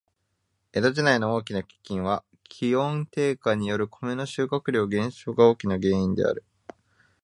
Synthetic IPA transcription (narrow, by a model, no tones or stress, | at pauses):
e̞d̪oʑinaino̞o̞ːkʲinakʲi̥kʲːĩɰ̃βa | kʲʰiõ̞nt̪e̞ːkaɲ̟ijo̞ɾɯ̟kʰo̞me̞no̞ɕɨːkakɯ̟ɾʲo̞ːɡẽ̞ɰ̃ɕo̞ːɡao̞ːkʲinaɡe̞ːĩnd̪e̞̰a̰ɾɯ̟